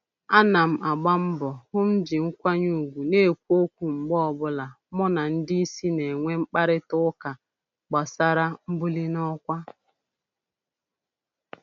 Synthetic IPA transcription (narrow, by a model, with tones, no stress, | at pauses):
a˦na˨m̩˨a˨ɡ͡ba˦m̩˦bɔ˨hʊ˦m̩˦d͡ʒɪ˨ŋ̩˦kʷa˦ɲu˨ɡʷu˨ne˦e˨kʷu˦o˦kʷu˨ŋ͡m̩˨ɡ͡bɔ˦ɔ˨bʊ˦la˨ | mʊ˦na˨n̩˦dɪ˦i˦si˦ne˨ŋʷe˦ŋ͡m̩˦k͡pa˦ɾɪ˦tʊ˦ka˨ | ɡ͡ba˨sa˦ɾa˦m̩˦bu˦li˦nɔ˦kʷa˦